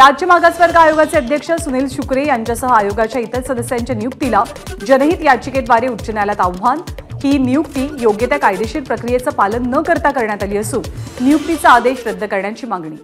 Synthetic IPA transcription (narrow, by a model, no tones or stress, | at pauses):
ɾad͡ʑjəmaɡasʋəɾɡʱəajoɡat͡seəd̪ʱjəkʂəsuniːlɕukɾejaɲt͡ɕjasəɦəajoɡat͡ɕjait̪əɾsəd̪əsjaɲt͡ɕjanijuk̚t̪ila | d͡ʑənəɦiːt̪jat͡ɕiked̪ʋaɾeutːt͡ɕənjalat̪aʋʋanhiːnijukt̪iːjoɡjət̪jakajd̪eɕiːɾpɾəkɾijet͡səpalənːəkəɾt̪akəɾɳjat̪aliːəsuːnnijuk̚t̪it͡səːd̪eɕɾəd̪ʱːəkəɾɳjat͡ɕiːmaŋɡɳiː